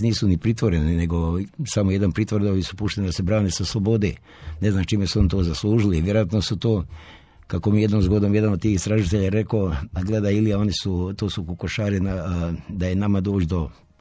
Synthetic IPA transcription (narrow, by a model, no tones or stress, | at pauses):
niːsunipɾit̪ʋo̞ɾenine̞ɡo̞samoje̞d̪anpɾit̪ʋɾd̪oisu̥puʃt̪enid̪ase̞bɾaːnesaslˠobo̞d̪ḛ | ne̞znamt͡ʃiːmesuo̞nit̪oːzaslˠuːʒiliʋje̞ɾoat̪nosut̪oː | kakomieje̞d̪nomzɡo̞d̪omje̞d̪anod̪̚t̪iːxist̪ɾaʒit̪eʎaɾe̞koaɡled̪ailijao̞nisut̪oːsukukoʃaːɾinad̪aje̞namad̪o̞ːt͡ʃd̪o